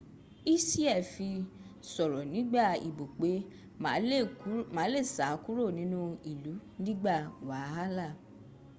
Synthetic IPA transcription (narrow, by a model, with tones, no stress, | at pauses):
i˦si˦ɛ˦˨fi˧sɔ˨ɾɔ˨nĩ˨˦ɡ͡ba˦˨ḭ˨bo˨k͡pe˨˦˨ | mã˨˦le˦˨sa˨˦ku˦ɾo˦˨nĩ˨˦nũ˧i˨lu˨˦nĩ˦ɡ͡ba˦˨wa˨˦a˦la˦˨